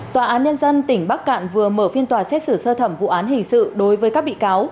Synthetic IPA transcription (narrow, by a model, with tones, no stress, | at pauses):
t̪waː˨˩ʔaː˨˦nɲə˧nzə˧nt̪ï˧˩ŋ̟ɓa˦˥k̚kːa̰ː˧˨nvɨ˨˩əməː˧˩fi˧ənt̪waː˨˩sɛ˦˥t̚sɨ˧˩səː˧t̪ʰə˧˩mvṵ˧˨ʔaː˨˦nɦï˨˩ŋ̟sɨ̰˧˨ɗo˨˦jvəː˨˦kaː˦˥k̚ɓḭ˧˨kaː˨˦w